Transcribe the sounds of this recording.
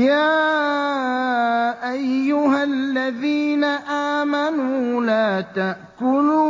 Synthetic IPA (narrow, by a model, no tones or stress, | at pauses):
jaː | ʔajːʊɦalːaðiːnaʔaːmanuːlaːt̪aʔkʊluː